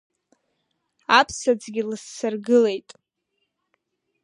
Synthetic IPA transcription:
apʰsad͡zɡʲilɨsːarɡɨle̞jtʼ

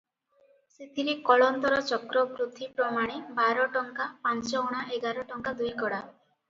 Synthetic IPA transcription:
set̪iɾekɔɭɔnt̪ɔɾɔt͡ʃɔkɾɔpɾut̪ʰipɾɔmaɽ̃ebaɾɔʈɔŋkapant͡ʃɔuɽ̃aʔeɡaɾɔʈɔŋkad̪ujkɔɽa

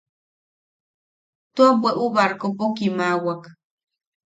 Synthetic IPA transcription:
t̪uabweʔuβaɾkopokimawak

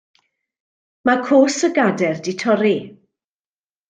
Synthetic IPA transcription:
makʰoːsəɡadɛrdɪtʰɔɾi

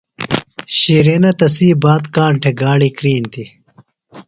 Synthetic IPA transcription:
ɕiːɾenɐt̪ɐsiːbaːt̪kaːɳʈʰeɡaːɽikɾiːnt̪i

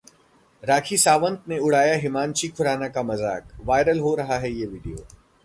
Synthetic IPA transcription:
ɾaːkʰisaːʋə̃nt̪neʊɽ̤aːjaɦɪmãːnt͡ʃikʰʊɾaːnakamɐza̰ːkʋaːɪɾəlɦoɾɐɦaɦɛjeʋiːɖijo̰ː

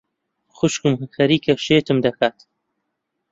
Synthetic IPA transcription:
xʊʃkɨmxɐɾiːkɐʃeːt̪ɨmd̪ɐkʰaːt̪

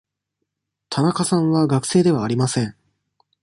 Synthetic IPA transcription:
t̪ʰanakasãɰ̃βaɡakɯ̟̥se̞ːd̪e̞βaːɾʲimasẽ̞ɴ

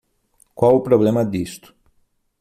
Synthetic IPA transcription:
kwawupɾoβlemɐd̪ist̪ʊ̥

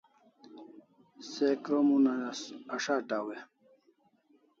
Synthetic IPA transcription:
sekɾomunɐnɐsɐʂaːʈaːwe

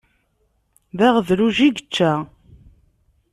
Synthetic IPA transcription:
ðæʁðɾuʒiɡət͡ʃːæ

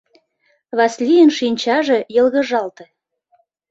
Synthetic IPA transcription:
βɑslʲijənʃinʲt͡ɕɑʒejɤ̆lɣə̆ʒɑlt̪ĕ

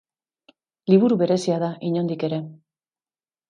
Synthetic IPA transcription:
liβ̞uɾuβe̞ɾe̞siaðaʔiɲo̞nd̪ike̞ɾe̞

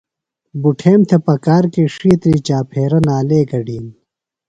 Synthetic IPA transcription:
buʈʰeːmt̪ʰepɐkaːɾkeʂiːt̪ɾiːt͡ɕaːpʰeːɾɐnaːleːɡɐɖiːn

